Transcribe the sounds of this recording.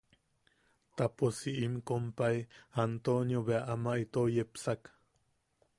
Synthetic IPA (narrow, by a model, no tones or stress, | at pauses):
t̪aposiʔimkompaiant̪onjoβeaʔamaʔit̪ojepsak